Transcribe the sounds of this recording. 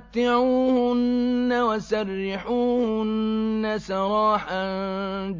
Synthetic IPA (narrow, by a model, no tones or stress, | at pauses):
t̪ːɪʕuːhʊnːawasɑrːɪħuːhʊnːasɑɾˤɑːħa | d͡ʒ